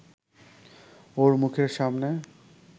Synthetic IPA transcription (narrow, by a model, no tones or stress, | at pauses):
oɾmukʰeɾʃamne